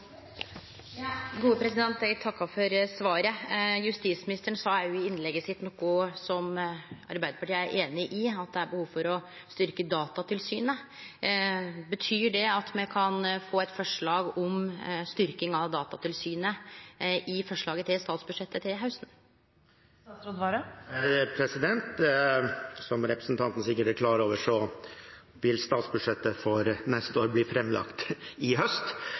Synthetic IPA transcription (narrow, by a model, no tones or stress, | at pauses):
ɡuːəpʰɾɛsɪd̪ɛnt̪ɛɡt̪ʰɑkːɑfɔɾsʋɑːɾəjʉst̪iːsmɪnɪst̪əɳsɑæɾjʊɪɪnlɛɡːəsɪt̪ːnɔkːʊsɔmɑ̰ɾbæɪd̪əpɑʈiːəæɾʔeːnɪʔɪɑt̪̚d̪ɛæɾbəhuːʋfɔɾɔ | st̪ʏɾkəd̪ɑːt̪ɑt̪ʰɪlsyːnə | bət̪ʰyːɖɛɑt̪mɛkʰɑnfoːɛt̪fɔʂɭɑːɡɔmst̪ʏɾkɪŋɑʋd̪ɑːt̪ɑt̪ʰɪlsyːnə | ʔɪfɔʂɭɑːɡət̪ɪlst̪ɑːt̪sbʉʂɛt̪ʰːət̪ʰɪlɦaʉsn̩ | sɾod̪ʋɑɾəpʰɾɛsɪd̪ɛnt̪ | sɔmɾɛpɾəsn̩t̪ʰɑnt̪n̩sɪkːəʈəkʰlɑːɾəoːʋəʂɔ | ʋɪlst̪ɑːt̪sbʉʂɛt̪ːəfɔɾnɛst̪əoːɾbliːfɾɛmlɑ̰kt̪ɪɦœst̪